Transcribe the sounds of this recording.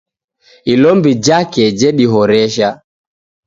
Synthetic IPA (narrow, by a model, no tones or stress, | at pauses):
ilɔmbid͡ʒakɛd͡ʒɛɗiɦɔɾɛʃa